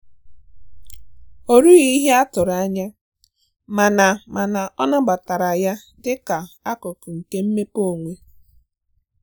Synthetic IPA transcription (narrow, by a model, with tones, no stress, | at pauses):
o˦ɾu˦ɣi˦ɦe˦a˦tʊ˨ɾa˨˦ɲa˦ | ma˨na˨ma˨na˨ʔɔ˦nɔ˦ɡ͡ba˨ta˨ɾa˨ja˦ | dɪ˦ka˨a˦kʊ˨kʊ˨ŋ̩˨ke˦m̩˦me˦po˦˨ŋʷe˦